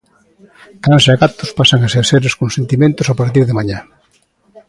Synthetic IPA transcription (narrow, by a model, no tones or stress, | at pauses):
kansaɣat̪ʊspasaŋaseɾseɾeskonsent̪imẽnt̪ʊsapaɾt̪iɾðemaɲa